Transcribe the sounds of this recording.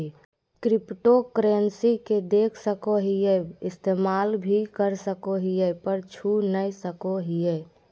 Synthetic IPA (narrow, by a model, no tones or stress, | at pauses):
kɾɪpʈokɾensiked̪eːkʰsəkoɦijɛɪst̪eːmaːlbʱikəɾsəkoɦijəpəɾt͡ʃʰunəisəkoɦijɛ